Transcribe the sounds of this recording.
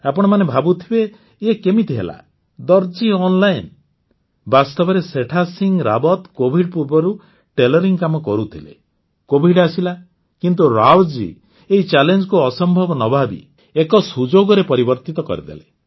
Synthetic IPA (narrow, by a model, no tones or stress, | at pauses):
apɔɽ̃ɔmanebʱabut̪ʰibeː | kemit̪iɦḛla̰ | d̪ɔɾd͡ʒiɔnlajn | bast̪ɔbɔɾeseʈʰasiŋɡɾabɔt̪kobʱiɖ̚puɾbɔɾu | ʈelɔɾiŋkamɔkɔɾut̪ʰilḛ | kobʱiɖasila | kint̪̬uɾawd͡ʒḭ | eɦit͡ʃalend͡ʒɔkuɔsɔmbʱɔbɔnɔbʱabḭ | ekɔsud͡ʒoɡɔɾepɔɾibɔɾt̪it̪ɔkɔ̰ɾid̪ḛle